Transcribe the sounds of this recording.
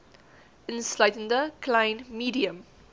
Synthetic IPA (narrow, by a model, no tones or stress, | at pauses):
ɪ̃nslaɪtə̃nd̪əklãɪ̃nmiːdiə̃m